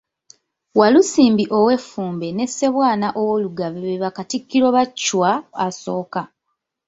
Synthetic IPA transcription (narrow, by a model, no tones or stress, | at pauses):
walusiːmbiʔo̞we̞fːuːmbe̞ne̞se̞βwaːnaʔowoluɡaβeβeβakatikːiɾo̞βat͡ʃːwaːso̞ːka